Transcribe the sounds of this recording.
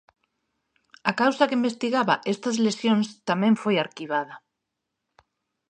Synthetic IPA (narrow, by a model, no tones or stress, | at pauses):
akawsakeimbest̪iɣaβaʔest̪azlesjõŋst̪amẽɱfojaɾkiβ̞aðɐ